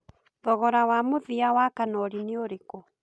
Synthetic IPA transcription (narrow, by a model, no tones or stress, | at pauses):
ðɔɣɔɾawamoðiawakanɔɾineoɾeko